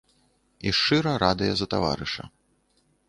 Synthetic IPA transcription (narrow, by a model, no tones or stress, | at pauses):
iʂt͡ʂɨɾɐɾad̪ɨjɐzɐt̪ava̰ɾɨʂɐ̰